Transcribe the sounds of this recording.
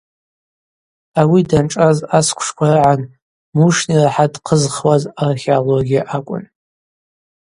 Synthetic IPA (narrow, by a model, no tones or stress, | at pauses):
awidanʈ͡ʂʼazaskʷʰʂkʷʰaraʕan | muʂniraħadqʰəzχwazarχʲeoloɡʲiaʔakʷʼʊ̰n